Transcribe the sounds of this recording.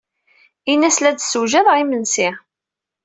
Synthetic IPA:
inæslæd̪səwʒæðˤʁimənsi

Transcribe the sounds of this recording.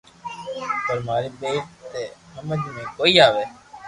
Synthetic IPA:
pəɾmaːɾiːbeːʈ̚t̪eːhəməd͡ʒmẽːkoːiːaːʋeː

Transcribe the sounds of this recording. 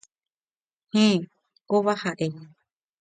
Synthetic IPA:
hĩ | koβahaʔe

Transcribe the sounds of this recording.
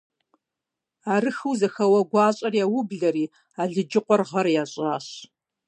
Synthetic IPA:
aːrɨxɨwzɐxɐwɐɡʷɑːɕʼɐrjawʊbɮɐɾiː | aːɮɨd͡ʒɪqʷɔrʁɐrjaːɕʼaːɕ

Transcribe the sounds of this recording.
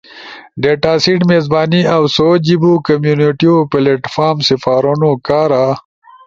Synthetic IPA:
ɖeːʈaːsiʈmezbaːniawsod͡ʑibukɐmjuniʈiopeleʈfaːɾmsifaːɾunokaːɾa

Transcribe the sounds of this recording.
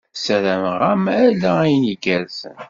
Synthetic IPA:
səɾæməʁæmælææjəniɡæzən

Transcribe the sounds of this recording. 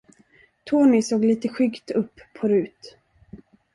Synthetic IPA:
t̪ʰoːnɪsoːɡliːt̪əɧʏɡt̪ɵpːʰɔɾʉ̟ːt̪

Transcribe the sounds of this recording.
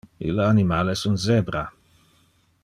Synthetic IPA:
ḭlanimaːlesunzɛbɾa

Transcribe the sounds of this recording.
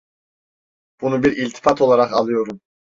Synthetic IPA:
b̥unubiɾilʲt̪ʰi̥fat̪ʰo̞lˠaɾaqɑlˠɯjo̞ɾum

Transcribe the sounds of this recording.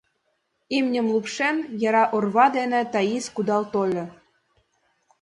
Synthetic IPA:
imnʲɘ̆mlˠupʃenjɑɾɑʔorβɑd̪enĕt̪ɑiskud̪ɑlt̪olʲɤ̆

